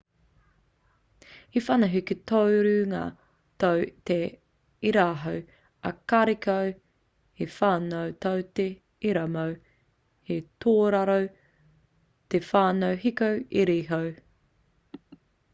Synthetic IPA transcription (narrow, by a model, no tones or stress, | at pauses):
ifɐnɐɦikitʰowɾʉŋa̰ | towte | iɾaːɦow | ɐ̰kɐɾikɐw | hefaːnowtowte | iɾɐmow | hetʰoːɾaɾow | tefaːnowɦikowiɾiɦow